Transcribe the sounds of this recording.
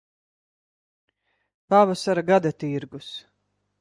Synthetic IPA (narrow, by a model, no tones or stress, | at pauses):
pavasaɾaɡad̪at̪iɾɡus